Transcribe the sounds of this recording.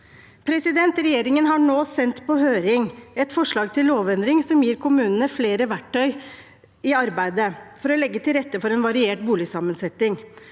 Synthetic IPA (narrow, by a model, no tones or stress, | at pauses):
pʰɾɛsɪd̪ɛnt̪ɾɛjeːɾɪŋənɦɑɳoːsɛnt̪pʰɔhøːɾɪŋɛt̪fɔʂɭɑːɡ̚t̪ʰɪlloːʋɛnd̪ɾɪŋsɔmjiːɾkʰʊmʉːnənəfleːɾəʋæʈʰːœʏ | ɪɑɾbæɪd̪əfɔɾɔlɛɡːət̪ʰɪlɾɛt̪ːəfɔɾɛnʋɑɾɪeːʈ̚buːlɪsɑmənsɛt̪ɪŋ